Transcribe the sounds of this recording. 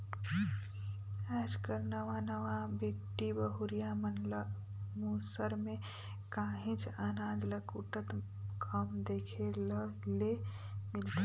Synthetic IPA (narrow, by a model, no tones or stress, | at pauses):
ɛd͡ʒkəɾnəʋanəʋãbekʈibəɦuɾijamənl | musəɾme | kãɦĩt͡ʃʰanãd͡ʒləkuʈət̪ | kʰəmd̪ekʰeləle | milt̪i